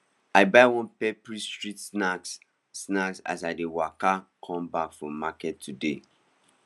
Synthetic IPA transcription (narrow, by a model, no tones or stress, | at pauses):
aɪbaɪwɔ̃npɛpɹistɹitsnaksː | naksa̰saɪdewakakʰɔ̃mbakfɹɔ̃mːakɛtʰːudḛ